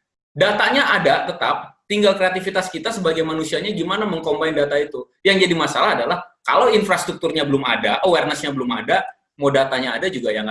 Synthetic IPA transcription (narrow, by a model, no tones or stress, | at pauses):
dat̪aɲaʔadat̪ət̪a̰p̚t̪iŋɡalkɾeat̪ifit̪askit̪asəbaɡajmanusiaɲaɡimanaməŋkombaɪndat̪ait̪u | jaŋd͡ʒadimasalaɦːdalahka̰lawinfɾast̪ɾuk̚t̪urɲabəlʊmadaʔəwɛrnəsɲabəlʊma̰da | modat̪aɲaːdad͡ʒuɡajaŋ